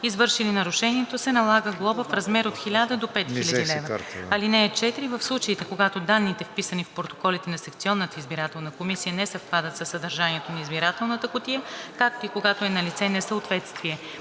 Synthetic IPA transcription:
izvɤɾʃilinɐɾʊʃɛniɛt̪osɛnɐlˠaɡəɡlˠɔbəfɾɐzmɛɾot̪xilʲad̪əd̪opɛt̪xxilʲəd̪ilɛvəɐlinɛːt͡ʃɛt̪iɾivəfslˠut͡ʃəit̪ɛkoɡat̪od̪anːit̪ɛfpisənifpɾot̪okɔlit̪ɛnɐsɛk̚t̪siɔnːət̪əizbiɾat̪ɛlˠnəkomisijənɛsəfpad̪ət̪səsːəd̪ɐɾʒaniɛt̪onɐizbiɾat̪ɛlˠnət̪əkʊt̪ijəkak̚t̪oikoɡat̪oɛnɐlit̪sɛnɛsəot̪vɛt̪st̪viɛ

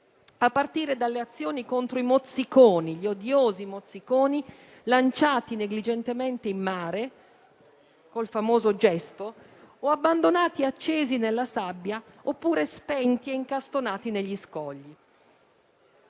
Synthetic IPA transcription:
apːart̪iːɾed̪alːeat̪sːjoːnikont̪ɾoimot̪sːikoːniʎiod̪joːzimot̪sːikoːni | lant͡ʃaːt̪ineɡlid͡ʒent̪ement̪eimːaːɾe | kolfamoːzod͡ʒɛst̪o | oabːand̪onaːt̪iat͡ʃːeːzinelːasabːjaopːuːɾespɛnt̪ieiŋkast̪onaːt̪ineʎːiskɔʎːi

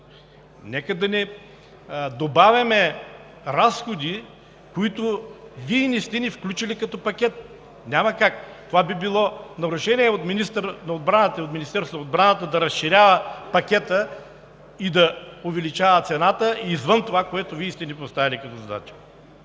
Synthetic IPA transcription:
nɛkəd̪ɐnɛ | d̪obavʲɐmɛ | ɾasxod̪i | koit̪ʊviəinist̪ɛnifklʲut͡ʃilikɐt̪ɔpɐkʲɛt̪̚ | nʲamɐkakt̪ovabibilˠɔnɐɾʊʃɛnʲiɛot̪minist̪əɾnɐod̪bɾanət̪əiot̪mʲinist̪ɛɾsʊnod̪bɾanət̪əd̪ɐɾɐsʃiɾʲavəpɐkʲɛt̪ə | id̪ɐʊvɛlit͡ʃavət̪sɛnat̪əiːzvənt̪ovakoɛt̪ʊvʲiist̪ɛnipost̪avilʲikɐt̪ɔzɐd̪a̰t͡ʃi̥

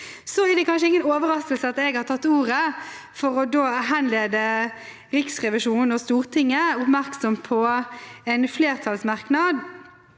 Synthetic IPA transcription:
sɔæd̪ɛkʰɑnʃəɪŋːənoːʋəɾɑst̪əlsəɑt̪ɛɡhɑɾt̪ʰɑt̪ːuːʁə | fɔɾɔd̪oːɦænleːd̪ə | ɾɪksʁɛʋɪʂuːnnɔst̪uːʁt̪ʰɪŋːəʊpmæɾksɔmpʰɔɛnfleːʁt̪ʰɑlsmɑʁknɑd̪

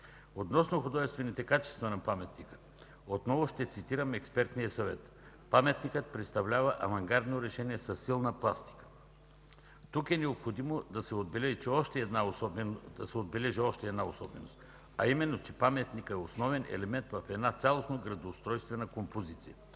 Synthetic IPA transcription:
ot̪nɔsnoxod̪ɔʒɛst̪vɛnit̪ɛkat͡ʃɛ̥st̪vɐnɐpamɛt̪nikə̥ | ot̪nɔvoʃt̪ɛt̪sit̪iɾəmɛkspɛɾt̪nijəsɐvɛt̪ | pamɛt̪nikət̪̚pɾɛt̪st̪ɐvlʲavɐʔɐvɐŋɡaɾd̪noɾɛʃɛniɛsɐsːilˠnəplˠast̪i̥kə̥ | t̪ukɛnɛopxod̪imod̪ɐsɛod̪̚bɛlɛʒit͡ʃɛɔʃt̪ɛːd̪naɔbd̪ɐsɛod̪̚bɛlɛʒiɔʃt̪ɛɛːd̪naosɔbɛnost̪ | ɐimɛnːot͡ʃɛ̥pamɛt̪nikəɛosnɔvɛnʔɛ̰lɛmɛnt̪vɐfɛd̪nat̪sʲalˠosnoɡɾɐd̪oːst̪ɾɔjst̪vɛnɐkompozit̪sijə

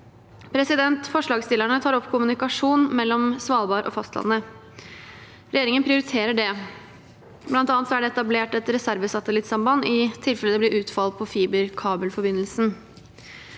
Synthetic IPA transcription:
pʰɾɛsɪd̪ɛnt̪fɔʂɭɑːɡst̪ɪlːæɳət̪ʰɑːɾɔpːkʰʊmʉnɪkɑʂuːnmɛlːɔmsʋɑːlˠbɑːɾʔɔ̰fɑst̪lɑ̰nːə | ɾɛjeːɾɪŋənpʰɾɪʊɾɪt̪ʰeːɾəɖɛ | blɑnt̪ɑːnt̪sɔæɖɛɛt̪ɑbleːʈɛt̪ɾɛsæɾʋəsɑt̪əlɪt̪sɑmbɑnɪt̪ʰɪlfɛləd̪ɛb̪ɪɾʔʉːt̪fɑl̚pʰɔfiːbəɾkʰɑːbəlfɔɾbɪnːəlsn̩

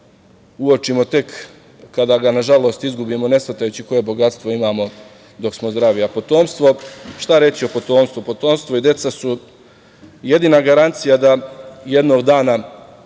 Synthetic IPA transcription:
uo̞t͡ʃimo̞t̪e̞kː | ad̪aɡanaʒalo̞ːst̪izɡubiːmo̞ne̞sat̪ajut͡ɕiko̞je̞bo̞ɡat̪st̪ʋo̞imaːmo̞ | d̪o̞ksmozd̪ɾaʋiapo̞t̪o̞ːmst̪ʋo̞ʃt̪aɾe̞t͡ɕio̞po̞t̪o̞ːmst̪ʋupo̞t̪o̞ːmst̪ʋoid̪e̞t̪sasu | je̞d̪iːnaɡaɾant̪sijad̪aje̞d̪no̞ːɡd̪aːna

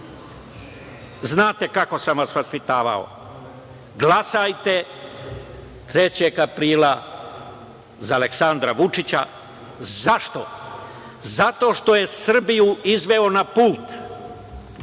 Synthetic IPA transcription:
znaːt̪e̞kako̞samʋasʋaspit̪aːʋa̰o̞̰ | ɡlasajt̪e̞ | t̪ɾe̞t͡ɕeɡapɾiːla | zale̞ksand̪ɾaʋut͡ʂit͡ɕa̰ | zaʃt̪o̞̰ | zat̪o̞ʃt̪o̞je̞sr̩bijuizʋeo̞napuːt̪

